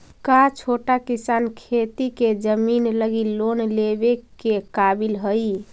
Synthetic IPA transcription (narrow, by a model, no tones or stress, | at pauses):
kat͡ʃʰoʈakisankʰet̪iked͡ʒəminləɡilonlebekekabilɦəj